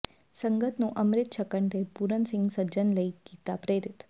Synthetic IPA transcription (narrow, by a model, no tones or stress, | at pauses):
səŋɡət̪nũʔəmɾɪt̪ʃʰəkəɳʈepuɾənsɪŋɡsəd͡ʒənləiɡit̪apɾeɾɪt̪